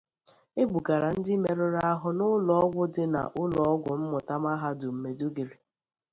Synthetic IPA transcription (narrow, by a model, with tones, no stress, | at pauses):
e˦ɡ͡bu˨ka˨ɾa˨n̩˦dɪ˦me˨ɾʊ˦ɾa˦a˦ɦʊ˦nʊ˦lɔ˦ɔ˦ɡʷʊ˦dɪ˦na̰˨ʔʊ˦lɔ˨ɔ˦ɡʷʊ˨m̩˦mʊ˨ta˦ma˦ɦa˦dʊ˨m̩˨me˨du˦ɡi˨ɾi˨